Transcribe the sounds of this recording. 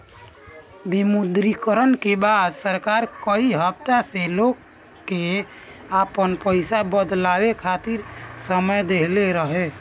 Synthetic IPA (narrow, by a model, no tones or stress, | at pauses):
bimud̪ɾikəɾənkebad̪səɾkaɾkəiɦəb̚t̪aselokː | e | apənpəɪsabəd̪labekʰat̪iɾsəməjd̪eleɾəɦe